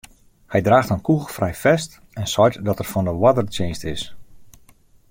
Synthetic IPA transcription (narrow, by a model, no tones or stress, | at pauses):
hɛjdraːxtənkuɣəlˠfrɛjfɛst | ɛnsɔjtdɔtɛrfɔndəwadərt͡ʃeːnstɪs